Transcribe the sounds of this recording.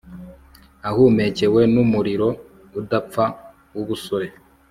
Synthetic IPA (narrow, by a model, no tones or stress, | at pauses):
ahume̞cewe̞numuɾiɾo̞ | udapp͡fa | wuβusoɾe